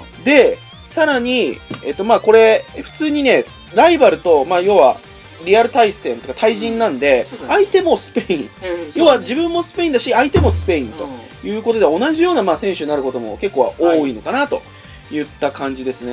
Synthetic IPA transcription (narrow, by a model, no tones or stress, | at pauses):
d̪e̞ | saɾaɲ̟iet̪ːo̞maːko̞ɾe̞ɸɯ̟̥t͡sɨːɲ̟ine̞ | ɾaibaɾɯ̟t̪o̞maːjo̞βa̰ | ɾʲiaɾɯ̟t̪aisɨ̥t̪ẽ̞nt̪e̥kḁt̪aiʑĩnːãnd̪e̞ait̪e̞mo̞sɨ̥pe̞ĩɴjo̞ːβad͡ʑibɯ̟̃mːo̞sɨ̥pe̞ĩnd̪aɕiait̪e̞mo̞sɨ̥pe̞ĩnt̪o̞̰ | jɯ̟ːkot̪o̞d̪e̞o̞naʑijo̞ːnamaːsẽɰ̃ɕɨɲ̟naɾɯ̟ko̞t̪o̞mo̞̰ke̞kːo̞ːβa̰ʔoːiːno̞kanat̪o̞ | jɯ̟t̪ːakãɲ̟d͡ʑid̪e̞sɨne